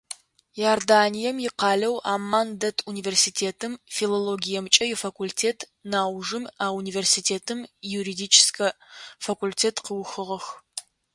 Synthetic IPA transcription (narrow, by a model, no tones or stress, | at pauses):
jaːrdaːnijɛmjɪqɑːlɐwa̰ːmaːndɐtʰuniversitʰeːtʰɨmfiloloɡʲijɛmt͡ʃʼɐjɛfakʰʷultʰeːtʰ | naːwʐɨmaːuniversitʰeːtʰɨmjuɾidit͡ʃʰɪ̥skʰɐfakʷultʰeːtʰqəwxɨʁɐx